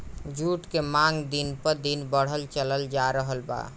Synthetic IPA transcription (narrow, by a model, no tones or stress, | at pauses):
d͡ʒuʈkemãŋɡd̪inpəɾd̪inbəɽ̤əlt͡ʃələld͡ʒaɾəɦəlba̰